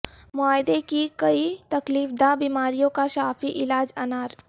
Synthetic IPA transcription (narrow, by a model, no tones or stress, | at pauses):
mʊaːjɪd̪ekikɐit̪ɐkliːfd̪aːbiːmaːɾijõkaʃaːfiʔɪlaːd͡ʒɐnaːɾ